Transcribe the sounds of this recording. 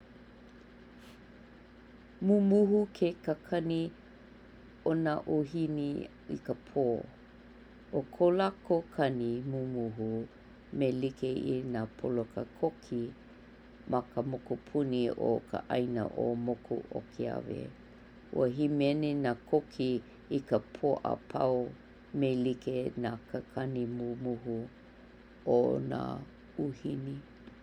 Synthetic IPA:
mumuɦukʰekəkʰɐni | onaʔoɦini | ḭkəpʰoː | ʔokʰolakokʰɐnimumuɦu | melikeʔḭnapʰolokəkʰokʰi | makəmokupʰunio̰kʰə̰ʔajnə̰ʔo̰mokʰṵʔo̰kʰia̰vḛ | ṵəɦimɛnenakʰokʰi | ikəpʰoʔə̰pʰa̰w | melikenakʰəkʰanimumuɦu | ʔona̰ | uhini

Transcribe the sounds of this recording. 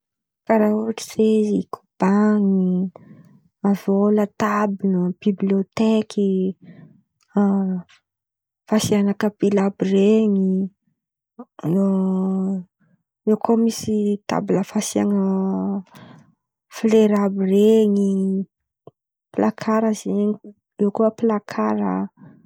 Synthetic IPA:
kaɾauaʈ͡ʂi̥zezikʰu̥b̥aŋi | avolət̪abinəb̥ibliot̪ekʰi | fasianakəbilabireŋi | no | ewkʰomisit̪a̰biləfasiaŋə | fleɾabireŋi | pilakʰaɾəzeŋi | ewkoəpilakʰaɾə̰

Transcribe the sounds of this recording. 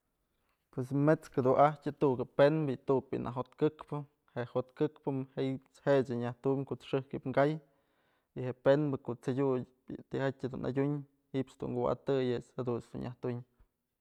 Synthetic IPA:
pwes̬met͡sked̪uahtʲɨt̪uʔukepenbɨt̪uk̚pʲḭnʔa̰ɦot̪kɨkpɨ | heʔhot̪kɨkpɨmheipt͡shed͡ʒɨɲaht̪umʲkoʔt͡sʂɨhkipŋɡaj | iheʔpenbɨkoʔt͡sadʲu | t̪ihatʲad̪una̰dʲuɲ | hiʔpt͡ʃd̪ṵŋɡuwa̰t̪ɨjet͡shed̪unsd̪ṵɲʔaht̪uɲ

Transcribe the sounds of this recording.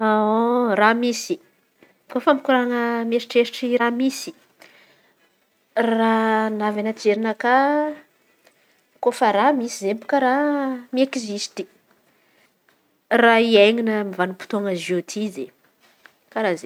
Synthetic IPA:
aoramisi | kofəmikuɾaŋəmeɾiʈ͡ʂeɾiʈ͡ʂiramisi̥ | ranavanat͡seɾinəka | kofəɾamisizempu̥kəɾamiekizist̪i | raiejŋinəmivanupu̥t̪oŋəziot̪ʰize | kaɾaze

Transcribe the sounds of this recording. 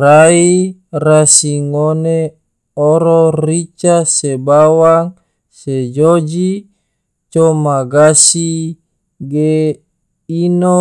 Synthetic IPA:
rairasiŋone | oɾorit͡ʃasebawaŋ | sed͡ʒod͡ʒi | t͡ʃomaɡasi | ɡe | ino

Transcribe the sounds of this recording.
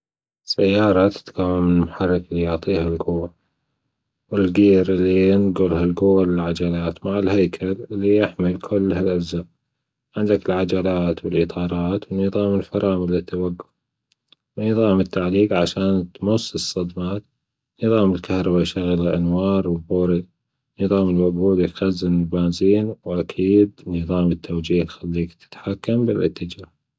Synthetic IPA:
sajːɑːɾˤɑt̪ɪ̥t̪kawːamːmʊħɑrˤːɪklːijʊʕt̪ˤiːhalɡʊwːa | wɪlɡiːɾʔɪlːijɪnɡʊlhalɡʊwːalɪlʕad͡ʒalaːt̪maʕɪlhajkʰalɪlːijɪħmɪlkʰʊlːhalʔazːaːʔ | ʕɪnd̪akɪlʕad͡ʒalaːt̪wɪlʔɨt̪ˤʰɑːɾˤɑːt̪wɪnːɨðˤɑːmɪlfɑɾˤɑːmɪlːit̪ːawaɡːʊf | wnɨðˤɑːmɪt̪ːaʕliːqʕaʃaːnt̪mʊsːɨsˤːɑd̪maːt̪ | nɨðˤɑːmɪlkahɾˤɑbajʃaɣlʔanwɑːɾˤwɪlbuːɾi | nɨðˤɑːmɪlwaɡuːd̪ɪjxazːɪnɪlbaːnziːnwʔakʰiːd̪nɨðˤɑːmɪt̪ʰːawd͡ʒiːhxalːiːkt̪ɪ̥t̪ħakːambɪlʔɪ̰t̪ːɪd͡ʒaːh

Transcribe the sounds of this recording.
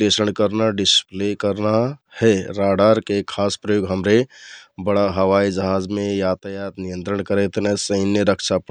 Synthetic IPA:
lesəɳkəɾnaɖisplekəɾnahɛɾaɽəɾkekʰaspɾəjoɡɦəmɾebəɽaɦəwaid͡ʒəɦad͡ʒmejat̪əjat̪nijənt̪ɾəɳkəɾɛt̪nɛsəɪnːjəɾəkʰt͡ʃʰap

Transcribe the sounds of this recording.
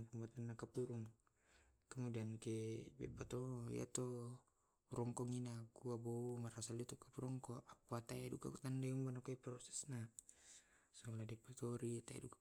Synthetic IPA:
ŋpumbat̪anːakapuɾuŋ | kamudiankɛbɛ̰bat̪ɔj̰a̰t̪ɔ | ɾɔŋkɔŋinakuaboumaɾasalit̪ɔkapuɾɔŋkɔakuat̪ajaduka̰kut̪andɛuŋbanakɔiprɔsɛ̥sna | sɔladipat̪ɔɾiat̪aɛ̰duka

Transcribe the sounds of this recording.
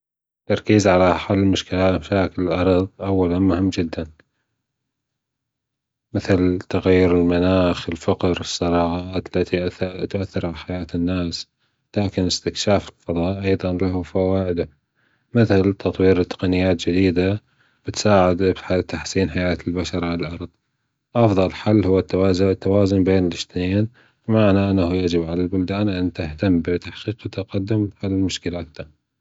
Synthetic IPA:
t̪ːɑɾˤkiːzʕalaħalːmʊʃkɪlaːmaʃaːkɪllʔɑɾˤɑðˤʔawːalanmʊhɪmːd͡ʒɪd̪ːan | mɪθlt̪aɣajːʊɾɪlmanaːxɪlfaqɾɨsˤːɑɾˤɑːɣɑʔaːt̪lːat̪it̪ʔaθːɪɾˤʕalaħajaːt̪ɪnːaːs | laːkɪnɪst̪ɪkʃaːfɪlfɑðˤɑːʔʔɑjðˤɑnlaɦfawaːʔɪd̪a | mɪθɪlt̪ʰɑt̪ˤwiːɾt̪ːɪ̥qɑnɪjːaːt̪̚d͡ʒɪd̪iːd̪a | b̥ɪt̪saːʕɪd̪bħat̪aħsiːnħajaːt̪ɪlbaʃɑɾˤʕalalʔɑɾˤðˤ | ʔɑfðˤɑlħalːhʊwːat̪ːazt̪ːawaːzʊnbeːnɪlɪʃt̪neːn | bɪmaʕnaʔanːahujad͡ʒɪbʕalalbʊld̪aːnʔant̪ɪht̪amːbɪt̪aħqiːqt̪ːaqad̪ːʊmhallmʊʃkɪlat̪ːa

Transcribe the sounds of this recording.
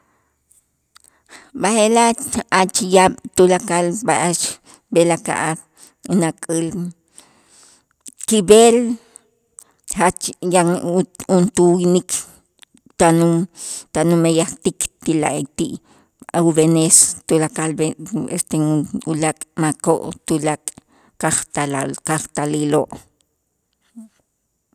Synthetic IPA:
bahelaat͡ʃijaɓ̥t̪ulakalbaʔat͡ʃ | belaka̰ʔa | unakʼil | kibel | hat͡ʃjaunt̪uwinikʰ | t̪anumt̪anumejaχt̪ikt̪ila̰ʔt̪iʔ | auβenest̪ulakalbeest̪eulakʼmako̰ʔt̪ulakʼ | kaχt̪alkaχt̪aliloʔ

